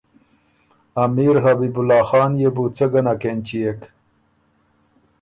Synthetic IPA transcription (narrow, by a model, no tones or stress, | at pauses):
ɐmiːɾhabibulaːxaːnjebut͡sɐɡɐnakent͡ɕiek